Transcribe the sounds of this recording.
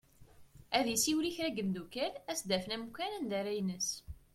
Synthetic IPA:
æðjəsiwɾiçɾæɡəmd̪ukælæsd̪æfənæmkːænænd̪æɾæjnəs

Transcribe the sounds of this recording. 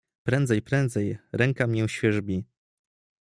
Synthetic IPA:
pɾɛnd̪zɛjpɾɛnd̪zɛjɾɛŋkamʲɛw̃ɕfʲjɛʐbʲi

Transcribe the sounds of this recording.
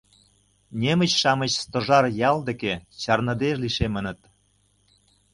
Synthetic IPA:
nʲemə̆t͡ɕʃɑmət͡ɕst̪ŏʒɑrjɑld̪ĕket͡ɕɑrnɤ̆d̪eʃliʃemə̆nə̆t̪

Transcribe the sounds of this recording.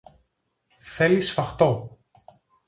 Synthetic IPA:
θe̞lisfɐxt̪o̞

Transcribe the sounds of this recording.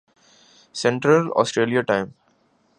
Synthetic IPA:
sɛ̃ɳʈɾəlɔ̰ːsʈɾeːlijaʈãɪ̃m

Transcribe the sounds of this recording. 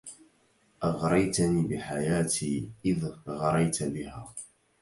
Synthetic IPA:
ʔɑɣɾˤɑjt̪aniːbɪħajaːt̪iːʔɪðɣɑɾˤɑjt̪abɪhaː

